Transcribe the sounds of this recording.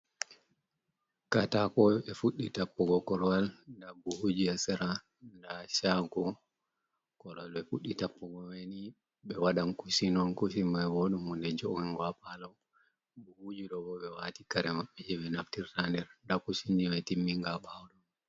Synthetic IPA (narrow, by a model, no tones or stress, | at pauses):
katakɔɛfuɗːitapːɔɡɔkɔɾwalndabuhud͡ʒiasɛɾa | ndaʃaɡɔ | kɔɾalɛfuɗitapːɔɡɔweni | ɓɛwaɗankusinɔnkus̬imːajwɔɗumundɛd͡ʒɔɡɛŋɡwapalɔ | buhud͡ʒiɗɔbɔɓɛwatikaɾɛmaɓːɛd͡ʒɛɓɛnaftiɾtandɛɾndakusindimɛtimːiŋɡaɓawɗɔ